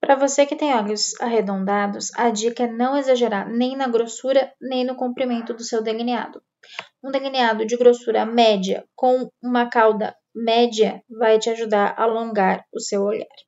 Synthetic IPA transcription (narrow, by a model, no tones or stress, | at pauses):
pɾɐvosekɪt̪ẽj̃ɔʎʊsaɦed̪õnd̪ad̪ʊsɐd͡ʒikɐɛnɐ̃w̃ezaʒeɾaɾnẽj̃nɐɡɾosuɾɐnẽj̃nʊkõmpɾimẽnt̪ʊd̪ʊsewd̪elinia̰d̪ʊ | ũd̪eliniad̪ʊd͡ʒɪɡɾosuɾɐmɛd͡ʒiɐ̰kõw̃ũmɐkawd̪ɐ̰ | mɛd͡ʒiɐvajt͡ʃɪaʒud̪aɾɐ̰lõŋɡaɾʊsewoʎa̰ɾ